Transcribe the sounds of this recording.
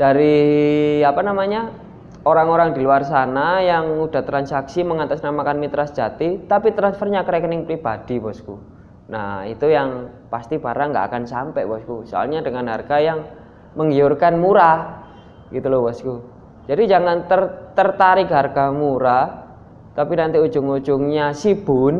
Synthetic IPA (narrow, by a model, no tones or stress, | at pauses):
d̥aɾi | apanamaɲa | oɾaŋoɾaŋdiluarsanajaŋud̥a̤t̪ɾansaksiməŋat̪asnamakanmit̪ɾasd͡ʒ̥at̪it̪apit̪ɾansfərɲakəɾɛkənɪŋpɾib̥ad̥i̤bɔsku | na̰ḭt̪ujaŋ | past̪ib̥aɾaŋɡa̰ʔa̰kansampɛʔbɔskusoa̰lɲadəŋanɦarɡ̥ajaŋ | məŋiʊrkanmuɾa | ɡ̥it̪ulobɔsku | d͡ʒ̥adid͡ʒaŋant̪ərt̪ərt̪aɾɪkɦarɡ̥amuɾa | t̪apinant̪iu̥d͡ʒ̥ʊŋu̥d͡ʒ̥ʊŋɲasib̥ʊn